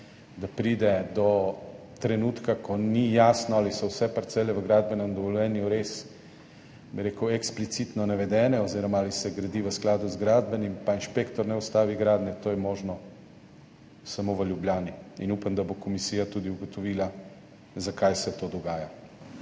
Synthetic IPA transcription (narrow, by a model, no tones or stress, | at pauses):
d̪apɾiːd̪ɛd̪ɔ | t̪ɾɛnuːt̪kakʰɔnijaːsnɔalisɔwsɛpaɾt̪sɛlɛʋəɡɾaːd̪̚bɛnɛmd̪ɔʋɔljɛːnjuɾes | biɾeːkəwɛksplit̪sit̪nɔnaʋɛd̪ɛːnɛɔziːɾɔmaalisɛɡɾad̪iʋəsklaːd̪uzɡɾaːd̪bɛnimpainʃpeːkt̪ɔɾnɛɔst̪aːʋiɡɾaːd̪nɛt̪oːjɛmoːʒnɔ | samoʋəljubljaːniinupamd̪abokɔmisiːjat̪ud̪iuɡɔt̪ɔʋiːla | zakajsɛt̪oːd̪ɔɡaːja